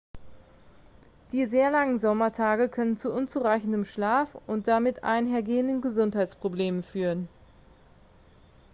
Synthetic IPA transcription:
d̥iːzeːɐlaŋənzɔmɐtʰaːɡəkʰœnənt͡suʔʊnt͡suʁaɪçn̩dəmʃlaːfʊnt̚d̥amɪtʔa̰ɪnɦeːɐɡeːəndənɡəzʊnthaɪt͡spʁ̥obleːmənfyːʁən

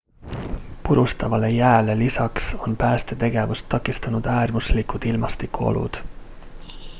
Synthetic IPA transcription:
puɾust̪ɑvɑle̞jæːle̞lisɑkso̞npæːst̪e̞t̪e̞ɡ̥e̞vust̪ːɑkːˑist̪ɑnud̪̥æːrmuslikud̪̥ilmɑst̪ikːˑuo̞̰lṵd̪̥

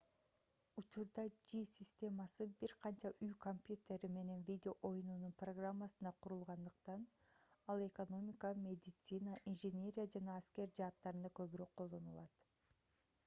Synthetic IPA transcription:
ut͡ʃuɾd̪ɑd͡ʒisʲisʲt̪ʲe̞mɑsɯbiɾqʰɑnt͡ʃɑʔyjko̞mpʲjut̪ʲe̞ɾime̞ne̞nvʲidʲeo̞ʔojunununproɡramːɑsɯnd̪ɑqʰuɾulˠʁɑnd̪ɯq̚t̪ɑnɑlˠe̞ko̞no̞mʲikɑmʲe̞d̪ʲɪt̪sɨnaʔinʒenʲe̞ɾʲijad͡ʒɑnɑːskʲe̞ɾd͡ʒɑːt̪ːɑɾɯnd̪ɑkø̞βyɾøk̚qʰolˠd̪o̞nulˠɑt̪

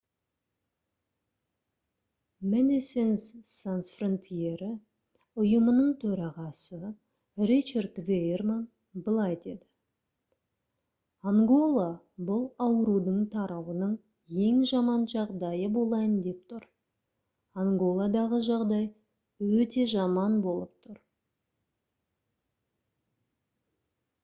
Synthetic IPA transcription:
med̪isensːansfront̪ʰije̞ɾɪ | ʊjəmənəɴt̪ʰɵɾɑʁɑsə | rit͡ʃard̪vejerman | bəlˠɑjd̪ed̪ɪ | aŋɡo̞lˠa | bʊlˠɑwəɾud̪əɴt̪ʰɑɾɑwənəɴ | je̞ŋʒɑmɑnʒɑʁd̪ɑjəbolˠɑjənd̪e̞p̚t̪ʰʊɾ | aŋɡo̞lˠad̪ɑʁəʒɑʁd̪ɑj | wɵt̪e̞ʒɑmɑnbo̞lˠəp̚t̪ʰʊɾ

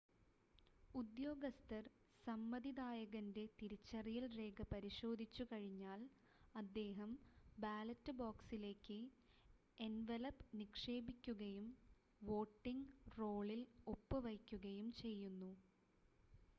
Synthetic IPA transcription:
ud̪jo̞ːɡɐst̪ɐr | sɐmːɐd̪id̪aːjɐɣɐnde̞t̪iɾit͡ɕːɐrijɐlre̞ːɡɐpɐɾiɕo̞ːd̪ʱit͡ɕːukɐɻiɲːaːl | ɐd̪ːe̞ːɦɐmbaːlɐtːɨboːksile̞ːkːɨ | enʋelɐpnikʂe̞ːbikʲːuɣɐjum | ʋo̞ːʈːiŋɡro̞ːɭilo̞pːɨʋɐjkʲːuɣɐjumt͡ɕe̞jːunːu

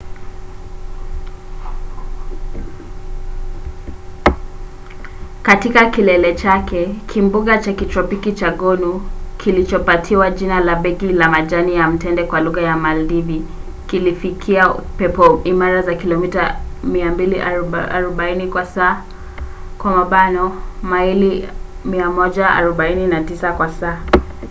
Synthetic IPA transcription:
katikakilɛlɛt͡ʃakʰɛkʰimbuɠat͡ʃakitɾɔpikit͡ʃaɠɔnukʰilit͡ʃɔpatʰiwaʄinalaɓɛkilamaʄanijam̩tɛndɛkwaluɣajamaldivi | kilifikʰiapɛpɔimaɾazakilɔmitamiambiliʔaɾɔɓainikwasaː | kwamaɓanɔmaili | miamɔʄaa̰ɾɔɓaininatisakwasaː

